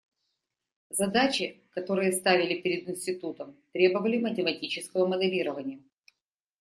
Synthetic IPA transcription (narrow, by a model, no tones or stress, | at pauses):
zɐd̪at͡ɕɪkɐt̪o̞ɾɨjəst̪avʲɪlʲɪpʲɪɾʲɪd̪ɪnʲsʲtʲɪt̪ut̪əmt̪ɾʲe̞bəvəlʲɪmətʲɪmɐtʲit͡ɕɪskəvəməd̪ɛlʲiɾəvənʲɪjə